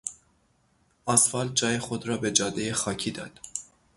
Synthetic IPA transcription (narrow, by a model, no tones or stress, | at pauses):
ʔɒsfɒːld͡ʒɒːjexod̪ɾɒːbe̞d͡ʒɒːd̪ejexɒːcʰiːd̪ɒːd̪̥